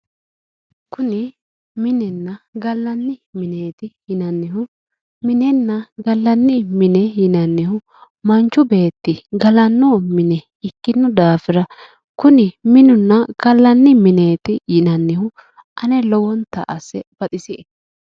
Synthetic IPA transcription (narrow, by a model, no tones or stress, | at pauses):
kʊnɪ | mɪnɛnːɐɡɐlːɐnːɪmɪneːt̪ɪjɪnɐnːɪhʊ | mɪnɛnːɐɡɐlːɐnːɪmɪnɛjɪnɐnːɪhʊ | mɐnt͡ʃːʊbe̞ːt̪ːɪɡɐlɐnːoːmɪnɛ | ɪkːɪnːʊd̪aːfɪɾɐ | kʊnɪmɪnʊnːɐɡ̥ɐlːɐnːɪmɪne̞ːt̪ɪjɪnɐnːɪhʊ | ʔɐnɛlɔwɔnt̪ɐ̰ʔɐsɛb̥ɐt̪ʼɪsɪɛ